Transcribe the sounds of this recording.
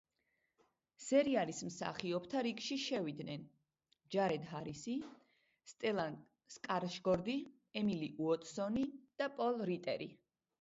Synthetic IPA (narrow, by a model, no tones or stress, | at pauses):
sɛɾialismsa̰χiɔpʰt̪ʰaɾikʃiʃɛvid̪nɛn | d͡ʒaɾɛd̪ɦaɾisi | st̪ʼɛlˠa | skʼaɾʃɡɔɾd̪i | ɛmiliʔuɔt̪ʼsɔnid̪̥apʼɔlˠɾit̪ʼɛ̰ɾḭ